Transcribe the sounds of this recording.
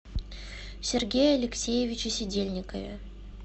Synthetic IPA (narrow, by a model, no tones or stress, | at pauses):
sʲɪrɡʲejəɐlʲɪksʲejɪvʲɪt͡ɕɪsʲɪdʲelʲnʲɪkəvʲɪ̰